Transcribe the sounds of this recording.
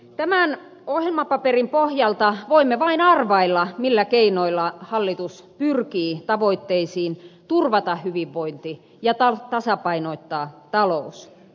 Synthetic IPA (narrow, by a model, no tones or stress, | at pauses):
t̪æmæn | ohjelmɑpɑperimpohjɑlt̪ɑʋoimːeʋɑinɑrʋɑilːɑmilːækeinoilːɑhɑlːit̪us | pyrkiːt̪ɑʋoit̪ːeisiːnt̪urʋɑt̪ɑhhyʋiʋʋoint̪i | jɑt̪ɑt̪ɑsɑpɑinoit̪ːɑːt̪ɑlous